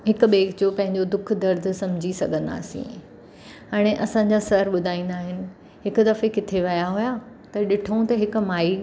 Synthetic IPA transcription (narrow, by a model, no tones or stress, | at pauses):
ɦɪkʊ̆ɓeːɡd͡ʑopɐ̃ɦɪ̃ɲd͡ʑod̪ʊkʰd̪ɐɾd̪ʱsɐ̃md͡ʑʱisɐɡʱə̃nd̪a̰ːsḭ̃ | aːɽ̃eʔɐsãɲd͡ʑasɐɾɓʊd̪ʱaːĩːnd̪aːɦɪnɪ̆ | ɦɪkʊ̆d̪ɐfekɪt̪ʰeʋɐjaɦuja | t̪ɐɗɪʈʰũt̪ɐɦɪkʊ̆maːi